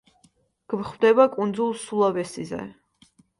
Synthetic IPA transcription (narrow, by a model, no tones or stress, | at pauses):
ɡ̥mχwd̪ɛbakʼund̪zulˠsulˠavɛsizɛ̰